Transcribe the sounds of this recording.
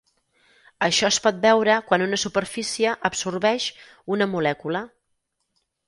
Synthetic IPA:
əʃɔspɔt̪̚bɛwɾəkwanunəsupərfisiəʔəpsurβɛʃ | unəmulɛkulə

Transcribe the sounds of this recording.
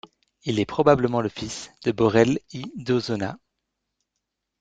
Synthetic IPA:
ilɛpχɔbabləmɑ̃ləfisd̪̥əbɔʁɛlid̪ozɔna̰

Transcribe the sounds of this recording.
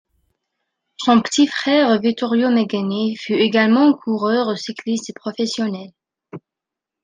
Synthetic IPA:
sɔ̃pə̥t̪ifχɛːʁovik̚t̪ɔʁjomeɡanefyeɡalmɑ̃kʰuʁœʁosiklist̪pχɔfɛsjɔnɛl

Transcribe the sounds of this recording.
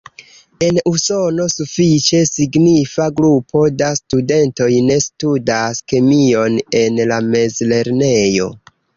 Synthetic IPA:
e̞nuso̞no̞sufit͡ʃe̞siɡnifaɡɾupʰo̞dastude̞nto̞jne̞studaske̞mio̞ne̞nlame̞zle̞ɾne̞jo̞̰

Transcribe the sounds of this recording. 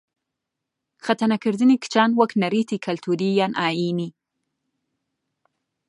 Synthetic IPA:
xat̪anakəɾd̪ɨnikt͡ʃɑnwəknaɾit̪ikʰalt̪ʰuɾijanʔɑjini

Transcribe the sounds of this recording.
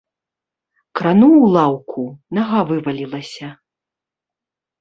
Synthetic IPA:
kɾanuwlˠawkʰunaɣavɨvɐlʲilˠɐsʲɐ

